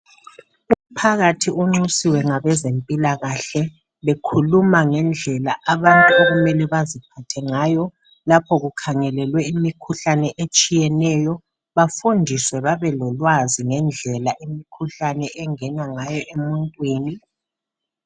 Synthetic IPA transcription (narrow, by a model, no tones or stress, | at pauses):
um̩pʰaɣatʰiuŋ͡ǁusiwɛŋaβɛzempʼilaɣaɬɛ | βekʰulumaŋɛnd͡ɮʱɛlaʔaβantʼuoɣumɛlɛβazipʰatʰɛŋaːjɔ | lapʰɔɣukʰaŋɛlɛlwɛimikʰuɬanɛʔet͡ʃʼijɛnɛjɔ | βafundʱiswɛβaβɛlɔlwaziŋɛnd͡ɮʱɛlaʔemikʰuɬanɛʔɛŋɛnaŋajɔʔemuntʼwiːni